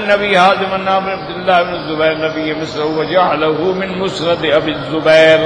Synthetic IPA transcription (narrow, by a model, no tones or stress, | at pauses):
nːɐbiːɦaːd̪ɪmɐnːaːmɪnɐb̚d̪ɪlːaːɦɪbɪnɪzːʊbɛːɾnɐbɪjːɪmɪslawɐd͡ʒaʕalaɦʊmɪnmʊsnɐd̪ɐbizːʊbɛːɾ